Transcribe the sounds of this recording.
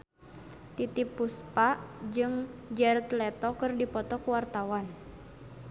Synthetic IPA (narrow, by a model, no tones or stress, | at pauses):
t̪it̪ipuspaʔd͡ʒɨŋd͡ʒɛrt̪lɛt̪ɔkɨrdipɔt̪ɔkuwart̪awan